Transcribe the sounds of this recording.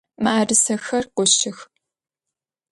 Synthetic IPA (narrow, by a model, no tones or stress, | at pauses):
maʔaːrɨsɐxɐrqʷʊɕɪx